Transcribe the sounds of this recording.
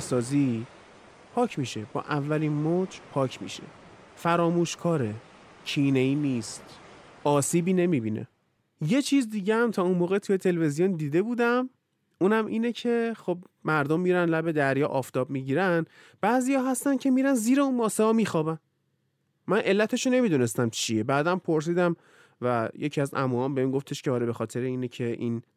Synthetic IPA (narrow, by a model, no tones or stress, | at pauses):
sɒːzi | pʰɒːcʰmiːʃeb̥ɒ̰ːʔævːæliːnmoːd͡ʒpʰɒːcʰmḭːʃḛ | fæɾɒːmuːʃkʰɒːɾecʰiːneiːniːst̪ɒːsiːbiːne̞miːbiːnḛ | je̞t͡ʃʰiːzd̪iːɟehæmt̪ʰɒːunmoːɣet̪ʰuje̞t̪ʰe̞levezijond̪iːd̪e̞buːd̪æm | uːnæmʔiːnecʰe̞xob̚ | mæɾd̪omːiɾænlæbe̞d̪æɾjɒːʔɒːft̪ʰɒːbmiɟiːɾæn | b̥æːzijɒːɦæst̪æncʰe̞miːɾænziːɾeunmɒːseɒːmiːxɒːbæn | mænʔe̞lːæt̪ʰe̞ʃone̞mid̪une̞st̪æmt͡ʃʰijebæːd̪æmpʰoɾs̬iːd̪æm | væje̞cʰiæzæ̰muːɒːmbeimɡo̞ft̪ʰe̞ʃcʰeɒːɾebe̞xɒːt̪ʰe̞ɾeiːnecʰe̞ʔḭːn